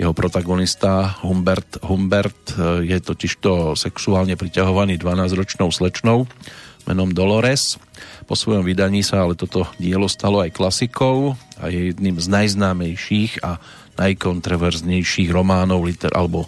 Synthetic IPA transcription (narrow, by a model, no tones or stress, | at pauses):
jɛɦɔpɾɔt̪aɡɔnist̪aɦumbɛɾt̪ɦumbɛɾt̪jɛt̪ɔciʃt̪ɔsɛksuaːlɲɛpɾicaɦɔʋaniːd̪ʋanaːzɾɔt͡ʃnɔʊslɛt͡ʃnɔʊmʔɛ̰nɔmd̪ɔlɔɾɛspɔsʋɔjɔmʋid̪aɲiːsaalɛt̪ɔt̪ɔɟɪɛlɔst̪alɔajklasikɔʊa̰jɛjɛd̪nimznajznaːmɛjʃiːɣa | najkɔnt̪ɾɔʋɛɾzɲɛjʃiːɣɾɔmaːnɔʊlit̪ɛɾʔa̰lɛbɔ